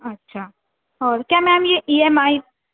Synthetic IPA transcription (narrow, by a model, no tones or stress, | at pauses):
ətːʃʰaː | ɔːɾkjamɛmjeʔiemai